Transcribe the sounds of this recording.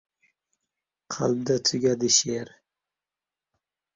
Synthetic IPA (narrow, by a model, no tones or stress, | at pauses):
qʰa̰lb̚d̪at̪ʰʊɡʲad̪ɪʃeɾ